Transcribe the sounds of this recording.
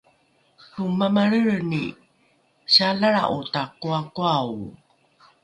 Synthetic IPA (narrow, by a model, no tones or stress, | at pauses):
tumamaɾəɾni | ɕalaɾa̰ʔutakuakuaw